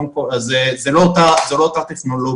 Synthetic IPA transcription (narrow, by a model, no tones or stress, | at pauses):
mkozezeloːt̪azeloot̪at̪eχno̞lo